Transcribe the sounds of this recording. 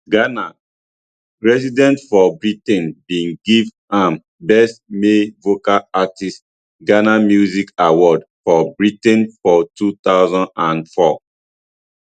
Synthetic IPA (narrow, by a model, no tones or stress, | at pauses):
ɡana | ɹɛsidɛ̃ntfɔbɹitɛ̃nbĩnɡiv | ãm | bɛstmevokaatist | ɡanamjuzikawɔdfɔbɹitɛ̃nfɔtut̪aʊzãndãnfɔ